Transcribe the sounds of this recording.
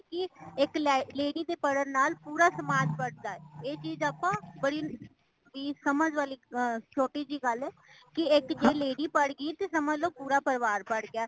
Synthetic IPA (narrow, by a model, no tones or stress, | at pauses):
kɪɪklːleːɽiːd̪eːpəɽəɾnaːlpuːɾaːsəmaːd͡ʒ̪pəɽd̪aːɛːeːt͡ʃiːzaːpãːbəɽiː | ʋiːsəməd͡ʒʋaːliːt͡ʃʰoːʈiːd͡ʒiːɡəlɛːkɪɪkd͡ʒeːleːɽiːpəɽɡəit̪eːsəməd͡ʒloːpuːɾaːpəɾʋaːɾpəɽɡɪaː